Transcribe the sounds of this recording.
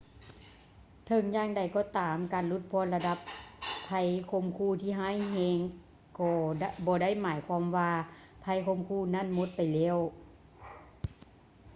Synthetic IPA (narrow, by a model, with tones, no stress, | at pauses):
t̪ʰɤ˧˦ŋjaː˧˥˨ŋda˨˩jkɔː˧˩t̪aː˨mkaː˨nlu˧˥t̪̚pʰɔː˧˥˨nla˧da˧˥pʰːa˧˥jkʰo˧˥˨mkʰuː˧˥˨t̪ʰiː˧˨ɦaː˧˥˨jɦɛː˧˥ŋ | kɔː˧bɔː˧˦da˥˨jmaː˨˦jkʰwaː˧˥˨mʋaː˧ | pʰa˧˥jkʰo˧˨mkʰuː˧˩na˧˥˨nmo˧˦t̪̚pa˨jlɛː˧˥˨w